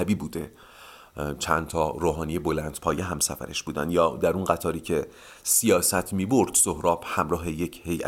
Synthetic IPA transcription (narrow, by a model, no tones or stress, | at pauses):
biːbuːd̪ḛ | t͡ʃʰænt̪ʰɒːɾoːɦɒːnijebolænd̪̥pʰɒːjeɦæmsæfæ̰ɾeʃb̥uːd̪æ̰nd̪jɒːd̪æɾunɢæt̪ʰɒːɾiːcʰe | sijɒːsæt̪ʰmiːboɾd̪̥sohɾɒːbhæmɾɒːɦe̞jecʰhejʔæ̰